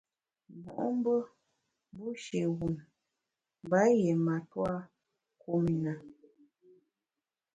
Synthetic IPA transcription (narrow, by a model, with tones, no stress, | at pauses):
mɔ̰˨ʔɔ˦m˦bə˦ | bu˦ʃe˨wu˨m˨ | ba˨˦jɛ˨ma˨twa˦ | ku˦mi˨na˨